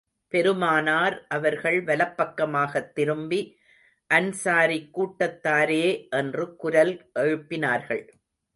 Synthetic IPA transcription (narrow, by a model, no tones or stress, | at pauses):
pɛɾɯmaːnaːɾʔɐʋɐɾɣɐɭʋɐlɐpːɐkːɐmaːɣɐt̪ːɪɾɯmbi | ʔɐnsaːɾikːuːʈːɐt̪ːaːɾeːʔɛndrɯkʊɾɐlʔɛɻɯpːɪnaːɾɣɐɭ